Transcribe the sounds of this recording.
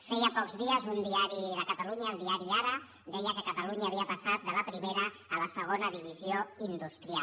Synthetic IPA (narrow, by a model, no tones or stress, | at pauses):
fɛjəpɔkzðiəzund̪iaɾiðəkət̪əluɲəːlˠd̪iaɾiaɾə | d̪ɛjəkəkət̪əluɲəːβiəpəsat̪̚d̪ələpɾimeɾəː | ləsəɣ̞onəðiβ̞izioind̪ust̪ɾia